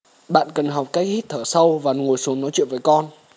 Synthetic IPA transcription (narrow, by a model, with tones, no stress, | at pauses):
ɓa̰ː˧˨nkə˨˩nɦa˨˩wk͡p̚kaː˦˥k̚hi˦˥t̚t̪ʰəː˧˩sə˧wvaː˨˩ŋo˨˩əjsu˨˦əŋnɔ˨˦jt͡ɕwḭ˧˨nvəː˨˦jkɔ˧n